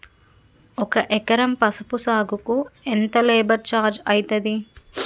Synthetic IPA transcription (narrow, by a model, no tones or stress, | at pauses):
ɔkɐʔɛkɐɾɐmpɐsupusaːɡukuent̪ɐleːbɐɾt͡ʃaːɾd͡ʒɐjit̪ɐd̪i